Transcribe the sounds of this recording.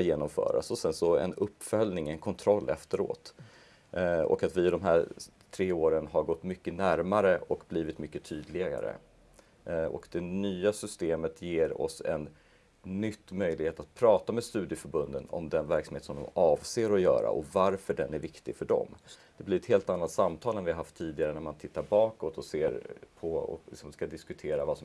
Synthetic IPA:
jeːnɔmfœ̰ːɾa̰sɔsɛnsɔɛ̰nɵpːfœlnɪŋɛnkʰɔnt̪ʰɾɔlːɛft̪əɾo̰ːt̪ | ɔ̰kat̪vɪɪd̪ɔmɦæɾ | t̪ʰɾeːoːɾənɦaɾɡɔt̪ːmʏkːənæɾmaɾəʔɔkbliːvɪt̪mʏkːət̪ʰyːd̪lɪa̰ɾə̰ | ɔ̰kd̪ɛnyːasʏst̪eːmət̪ʰjeːɾɔ̰sɛnː | ʏt̪ːmœjlɪɡheːt̪at̪̚pʰɾɑːt̪ameːd̪st̪ʉ̟ːd̪jəfœɾbɵnd̪ənɔ̰md̪ɛnvæɾksamheːt̪sɔmd̪ɔ̰mɑːvseːɾɔjœ̰ːɾa̰ʔɔvaɾfœɖɛnæɾvɪkt̪ɪɡfœɖɔ̰md̪̥ɛblɪɾɛt̪heːlt̪anːat̪samt̪ʰɑːlɛnvɪhaɦaft̪ʰːiːd̪ɪɡaɾənæɾmant̪ʰɪt̪ːaɾbɑːkɔt̪ɔseːɾpʰɔɔ̰lɪksɔmskad̪ɪskɵt̪ʰeːɾavasɔ

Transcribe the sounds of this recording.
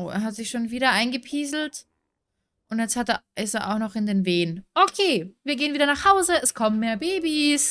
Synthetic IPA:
ʔo̰ːʔḛːɐɦatz̥ɪçʃoːnviːɾɐʔaɪnɡəpʰiːzl̩t | ʔʊntjɛt͡sthateɪseːɐʔa̰ʊxnɔχɪndeːnveːənʔokʰeːviːɐɡeːənviːdɐnaχhaʊzəɛskʰɔmənmeːɐbeːbis

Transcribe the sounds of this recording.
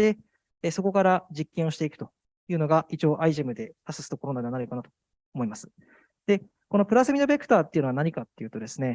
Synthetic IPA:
e̞ | so̞ko̞kaɾad͡ʑikːẽɰ̃o̞ɕi̥t̪eikɯ̟t̪o̞ | jɯ̟ːno̞ɡait͡ɕio̞ːʔaiʑemɯ̟d̪e̞pasɨ̥sɨ̥t̪oko̞ɾo̞nãneanaɾɯjokanat̪o̞̥ | omo̞imasɨ̥ | d̪̥e̞ | ko̞no̞pɯ̟ɾasemid̪obekɯ̥t̪aːt̪ːe̞iɯ̟noanaɲ̟ikat̪ːe̞jɯ̟ːt̪o̞d̪e̞sɨne̞

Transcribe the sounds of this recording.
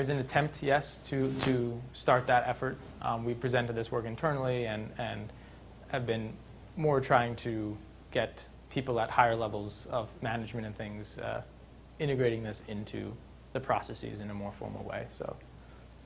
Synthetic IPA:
əzɨ̃nɨtʰɛ̃mp̚tʰjɛstʰɨɾʰɨstɑɹt̪̚ðɨɾɛfə˞t̚ | wiv̥pʰɹ̥izɛ̃ntɨd̪̚ðɪswɜ˞kɨ̃ntʰɜ˞nl̩ˠiɨ̃nɨ̃n | ɨvbɨ̃n | mɔɹtʰɹ̥aɪɪ̃ŋtʰɨ | ɡ̥ɛt̚ | pʰipl̩ˠət̚haɪə˞lɛvl̩ˠzʌvmænɨd͡ʒmɨ̃ñtɨ̃nθɪ̃ŋz̥ | ɪ̃ɾ̃ɨɡɹeɪɾɪ̃ŋðɪsɪ̃ntʰʉ̰ | ðɨpʰɹ̥ɑ̰sɛsḭzɨ̃nɨmɔɹfɔ̰ɹml̩ˠwḛɪso̰ʊ

